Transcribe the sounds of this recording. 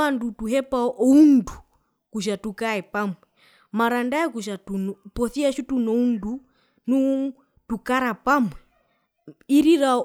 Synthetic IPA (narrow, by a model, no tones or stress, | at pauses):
andutuɦɛpaʔɔundu | kuʃ̬atukaɛpamɛ | maɾandaɛkuʃ̬atunpɔθiaʃutunɔundu | nu | tukaɾapamwɛ | iɾiɾa